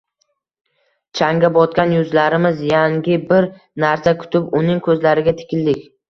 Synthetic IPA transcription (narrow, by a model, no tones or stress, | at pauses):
t͡ʃʰaŋɡʲabɒt̪̚kʲanjʊzlaɾɪmɪzjaŋɡʲɪbɪɾ | naɾsakʲʰʊ̥t̪ʰɪpʊnɪŋkʰɵzlaɾɪɡʲat̪ʰɪ̥kʲɪld̪ɪkʲ